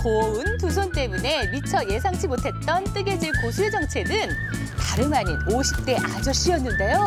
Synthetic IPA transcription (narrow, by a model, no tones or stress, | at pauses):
koɯntusʰont͈e̞mune̞mit͡ɕʰʌje̞s̬ʰaŋt͡ɕʰimotʰe̞t̚t͈ʌnt͈ɯɡe̞d͡ʑiɭkosʰued͡ʑʌŋt͡ɕʰe̞nɯn | taɾɯmaɲinoɕʰi̥p̚t͈e̞ʔad͡ʑʌɕ͈iʌnːɯnde̞jo